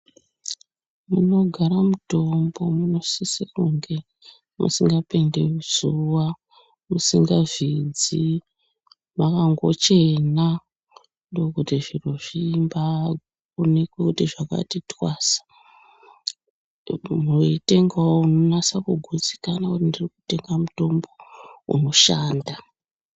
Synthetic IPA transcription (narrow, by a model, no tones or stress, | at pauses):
muno̞ɡʱaɾamuto̞mbo̞muno̞sisikuŋɡe̞ | mṵsiŋɡape̞ndeuz̥uwa | musiŋɡavid͡zi | makaŋɡo̞̰t͡ʃe̞na | ndookutiʐinoʐimba | onekwekutiʐaka̰titwaːsḁ | muroite̞ŋɡaounonasakuɡʱud͡zi̥kanakutindirikute̞ŋɡamuto̞mbo̞ṵno̞ʃaːnda